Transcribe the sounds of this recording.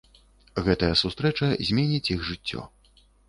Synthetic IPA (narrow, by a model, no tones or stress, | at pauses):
ɣɛt̪ɐjɐsust̪ɾɛt͡ʂɐzʲmʲɛnʲit͡sʲiɣʐɨt͡sʲːɔ̰